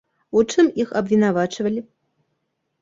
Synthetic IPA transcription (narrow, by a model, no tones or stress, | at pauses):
ut͡ʂɨmixɐbvʲinavat͡ʂvɐlʲi